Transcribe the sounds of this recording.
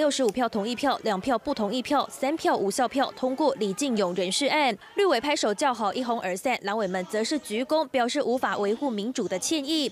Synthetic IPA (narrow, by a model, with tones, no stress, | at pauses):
ljo˥˧ʊʂɻ̩˧˥u˨˩pʰjɑ˥˩ʊt̪ʰʊ˧˥ŋi˥˧pʰjɑ˥˩ʊljɑ˨˩ŋpʰjɑ˥˧ʊpu˥˩t̪ʰʊ˧˥ŋi˥˩pʰjɑ˥˩ʊsa˥npʰjɑ˥˩ʊʔu˨˩ɕjɑ˥˧ʊpʰjɑ˥˩ʊt̪ʰʊ˥ŋkwɔ˥˩li˨˩t͡ɕi˥˩ŋjʊ˨˩ŋɻə˧˥nʂɻ̩˥˧a˥˩nly˥˩we˨˩ɪpʰa˥ɪʂo˨˩ʊt͡ɕjɑ˥˩ʊxɑ˨˩ʊʔi˥˩xʊ˧˥ŋʔə˞˨˩sa˥˩nla˧˥nwe˨˩ɪmə˧˦nt͡sɤ˧˥ʂɻ̩˥˩t͡ɕy˧˥kʊ˥ŋpjɑ˨˩ʊʂɻ̩˥˩u˧˥fa˨˩wʔe˧˥ɪxu˥˩mi˧˥nʈ͡ʂu˨˩d̪ə˦t͡ɕʰjɛ˥˧ni˥˩